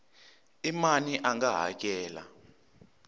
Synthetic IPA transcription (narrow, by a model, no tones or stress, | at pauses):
imaniʔaŋɡaɦa̰k̬ɛːla̰